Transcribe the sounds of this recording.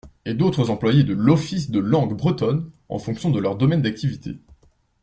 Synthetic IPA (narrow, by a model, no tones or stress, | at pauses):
ed̪ot̪χəzɑ̃plwajed̪əlɔfisd̪əlɑ̃ɡbʁət̪ɔn | ɑ̰̃fɔ̃ksjɔ̃d̪əlœʁd̪ɔmɛnd̪ak̚t̪ivit̪ʰḛ